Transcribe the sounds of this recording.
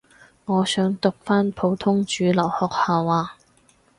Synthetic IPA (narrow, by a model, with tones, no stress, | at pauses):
ŋɔː˨˧sœː˨˥ŋt̪ʊ˨k̚faː˥npʰo˨˧˥wt̪ʰʊ˥ŋt͡ʃyː˨˧lɐ˨˩whɔː˨k̚haː˨˧waː˨˧